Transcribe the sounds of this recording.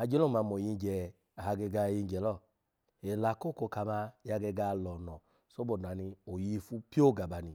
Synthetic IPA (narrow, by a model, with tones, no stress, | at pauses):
a˨˧d͡ʒe˦lɔ˦˨ma˧mɔ˨ji˧˦d͡ʒɛ˨ | a˨ha˧ɡe˧ɡa˧ji˧˦d͡ʒɛ˨˦lɔ˦˨ | e˨la˨˦ko˦˨ko˧˨ka˧ma˧ja˧ɡe˧ɡa˧lɔ˨nɔ˨ | so˦bɔ˨da˨ni˧o˨ji˧fu˦pi˦o˦˨ɡa˨ba˨ni˧